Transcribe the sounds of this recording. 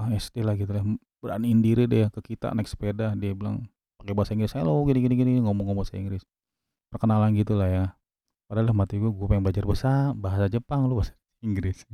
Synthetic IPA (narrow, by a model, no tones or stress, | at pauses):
aɛst̪elahɡit̪ulah | b̥əɾaanindiɾidɛjakəkit̪a̰nɛkspedadiabila̰ŋ | pakebaasaiŋɡɾɪsaaloɡiniɡiniɡiniɡiniŋomɔŋobasaḭŋɡɾɪs | pərkənalanɡit̪ulahja | padalahmat̪iɡuaɡapajaŋblad͡ʒarbəsarbaɦasad͡ʒəpaŋlobasḁ | iŋɡɾɪs